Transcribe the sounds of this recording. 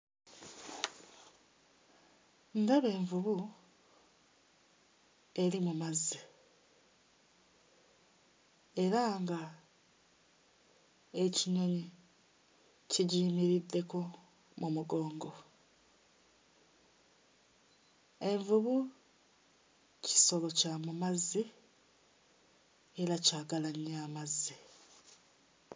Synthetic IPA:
ndaβe̞ːɱvuβu | e̞ɾimumazːi | e̞ɾaŋɡa | e̞ciɲo̞ɲi | ciɟiːmiɾid̪ːe̞ko̞ | mumuɡo̞ːŋɡo̞ | e̞ɱvuβu | ci̥so̞βo̞camumazːi | eɾacaːɡalaɲaːmazːi

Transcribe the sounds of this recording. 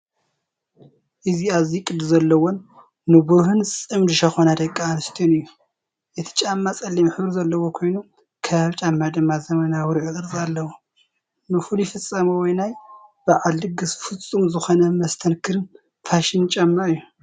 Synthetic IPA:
ʔɨziaβzikʼɨd̪zɐlːɐwonː | ɨbuhɨnɨt͡sʼɨmd̪ɨʃɐxonad̪ɐkʼːanɨst̪ʰonɨjːu | ʔɛt̪ʰi̥t͡ʃʼamːat͡sʼɐlːimħɨβɾizɐlːɐwokʰo̞jnu | kʰɐβaβt͡ʃʼamːad̪ɨmːazɐmɐnawɾɨkʼɨɾɨzʼalːɐwo | nɨfɨlujifɨt͡sʼːɐmɐwɔjnajb̥aʕaldɨɡɨsfɨt͡sʼːumzɨxonɐmɐst̪ʰɐnkʰɨɾɨn | faʃɪnt͡ʃʼamːaɨjːu

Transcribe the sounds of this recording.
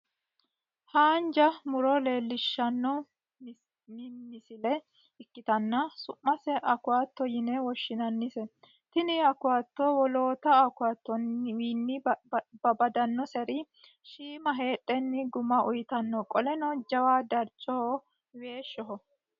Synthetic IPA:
haːnd͡ʒɐmʊɾɔle̞ːlːɪʃːɐnːɔ | mmɪsɪlɛ | ɪkːɪt̪ɐnːɐsʊmːɐsɛʔɐkʊaːt̪ːɔjɪnɛwɔʃːɪnɐnːɪsɛ | t̪ɪnɪɐkʊwaːt̪ːoːwɔlo̞ːt̪ɐɐkʊaːt̪ːɔnwiːnːɪbɐbɐd̪ɐnːɔsɛɾɪ | ʃiːmɐɦeːtʼːɛnːɪɡʊmɐʔʊjt̪ɐnːɔkʼɔlɛnɔd͡ʒɐwaːd̪ɐɾt͡ʃʼːɔ | we̞ːʃːɔɦɔ

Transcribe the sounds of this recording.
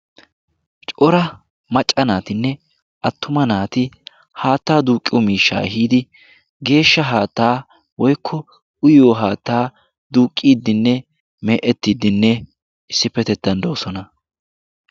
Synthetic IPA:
t͡ʃʼɔɾɐ | mɐt͡ʃʼɐnaːt̪ɪnːɛ | ʔɐt̪ːʊmɐnaːt̪ɪ | haːt̪ːaːd̪uːkʼːɪwɔmiːʃːa̰ːɛɦiːd̪ɪ | ɡe̞ːʃːɐɦaːt̪ːaː | wɔjkʰːɔ | ʊjoːɦaːt̪ːaː | d̪uːkʼːiːd̪ːɪnːɛ | mɛːʔɛt̪ːiːd̪ɪnːɛ | ɪsːɪpːɛt̪ɛt̪ːɐnd̪oːsɔnɐ

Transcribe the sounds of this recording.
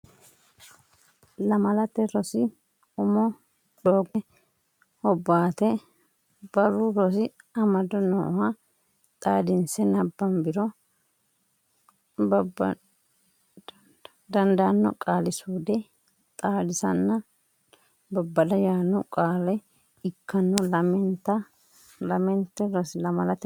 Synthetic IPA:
lɐmɐlɐt̪ɛɾɔsɪ | ʊmɔ | d̪oːɡɛ | hɔbːaːt̪ɛ | b̥ɐɾʊɾɔsɪɐmɐd̪ɔnɔ̰hɐ | t̪ʼaːd̪ɪnsɛnɐbːɐmbɪɾɔ | bɐb | d̪ɐnd̪ɐɐnːɔ̰kʼaːlɪsuːd̪ɛ | t̪ʼaːd̪ɪsɐnːɐ | bɐbːɐd̪ɐjaːnːɔkʼaːlɐj | ɪkʰːɐnːɔlɐmɛnt̪ːɐ | lɐmɛnt̪ːɛɾɔsɪlɐmɐlɐt̪ɛ

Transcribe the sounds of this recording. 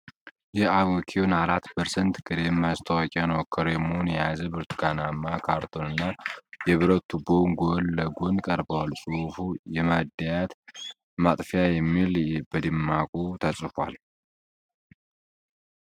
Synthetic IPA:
jɛaβokʰewunaɾat̪ːpʰəɾsənt̪ɡɨɾemːast̪ʰəwakʼanəwkʰoɾemonjɛjazəbɨɾt̪ʰu̥ɡanamːakʰaɾt̪ʰo̞nɨnːajɛβɨɾət̪ːubonɡolːəɡonkʼəɾbəwalsʼufujɛmad̪ːajat̪ | mat̪ʼfijajɛmːilbəd̪ɨmːakʼut̪ʰəsʼɨfa̰l

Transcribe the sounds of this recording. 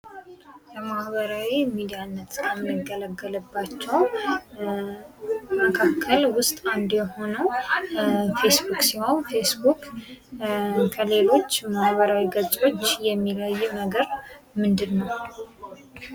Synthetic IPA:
jɛmahβəɾawimid̪ijanːət̪kʰəmɨɡələɡːələbːat͡ʃːɛw | məkʰakʰːəlwʊst̪ʼand̪jɛho̞nəw | fe̞sbuksiwawfe̞sbuk | kʰəle̞lo̞t͡ʃːmahβəɾawiɡəsʼo̞t͡ʃːjɛmːiləjːnəɡəɾmɨnd̪ɨnːəw

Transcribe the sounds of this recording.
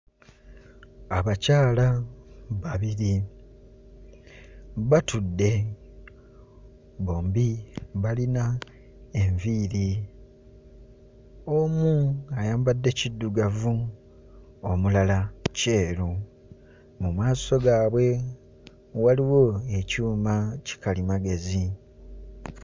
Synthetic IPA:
aβacaːlaβaβiɾi | βatudːe̞ | βo̞ːmbiβalina | e̞ɱviːɾi | omuajaːmbadːe̞cidːuɡavu | omulalace̞ːɾu | mumwaːso̞ɡaːβwe̞ | waliwo̞e̞cuːmaci̥kalimaɡe̞zi

